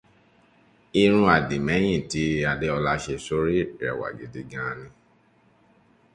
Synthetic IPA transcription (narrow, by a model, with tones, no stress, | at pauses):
i˧ɾ̃ũ˧a˨di˨mɛ̃˨˦j̃ĩ˦˨ti˨˦˧a˧de˦ɔ˧la˧˦ʃe˧so˦ɾi˦ɛ̰˨wa̰˨ɡe˨de˧ɡã˨˦˧nĩ˧